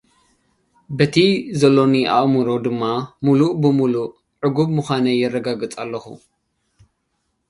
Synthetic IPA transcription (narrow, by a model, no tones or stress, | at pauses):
bɐt̪ʰizɐlːo̞niʔa̰ʔmuɾo̞d̪ɨmːamuluʔbɨmuluʔ | ʕɨɡubmɨxʷanɐjːɛrːɐɡaɡɨt͡sʼalːɐxṵ